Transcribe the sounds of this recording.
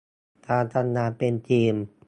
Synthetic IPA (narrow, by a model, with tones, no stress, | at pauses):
t̪ʰaː˧t̪ʰa˧nːaː˧pe˧nt͡ɕiː˧m